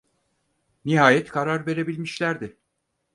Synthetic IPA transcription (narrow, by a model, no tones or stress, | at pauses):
niɦaːjɛt̪kʰaɾaɾve̞ɾe̞bilʲmiʃlʲæɾd̪ɪ